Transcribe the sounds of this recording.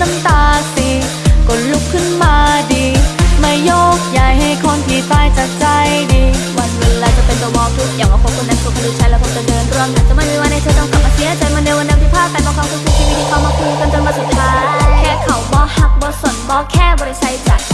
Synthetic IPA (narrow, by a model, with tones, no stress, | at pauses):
na˧mt̪aː˧si˧ | ko˨˩nlu˦˧˩kʰːɯ˥˩nmaː˧diː˧ma˥˩jːoː˥˩k̚ja˨˩jha˥˩jkʰo˧˥nt̪ʰiː˨˩t̪aː˧˩jt͡ɕa˨˩k̚t͡ɕa˧jdiː˧wa˧nwe˧laː˧˩t͡ɕa˨˩pe˧nt̪u˧mɔː˧t̪ʰu˦˥k̚jaː˨˩ŋwaː˧˩pʰo˧˦kʰo˧nda˧˩pʰu˧˩kʰa˧nduː˧t̚t͡ɕʰa˧˥lɛː˧˦˥wkʰo˧˥t͡ɕa˨˧˩dɤː˧nk̪ɾu˧əmna˨˦nt͡ɕa˨˩˦ma˥˩jmiː˧wa˧nːa˥˩jt͡ɕʰaː˧˩t̪ɔː˥˩ŋka˨˧˩mːʔaː˧si˧˦a˥˧˨t͡ɕa˧jma˧na˧wa˧na˧t̪ʰiː˧˥˩pʰaː˥˩ka˧nbɔː˧˩kʰwaː˧ɾuː˦˥ksɯ˨˩k̚t̪ʰiː˧ma˥˩mi˧kʰwaː˧maː˧˩pʰu˧ŋka˧ndo˧nbɔː˧˥su˨˩t̪t̪ʰːaː˦˥˧kʰɛː˥˩kʰa˨˩wbɔː˧˦ha˧˥˩k̚bɔː˧˦so˨˩˦n̚bɔː˧˥kʰɛː˥˩bɔː˧ɾi˧˩t͡ɕʰa˧˥jt͡ɕa˨˩j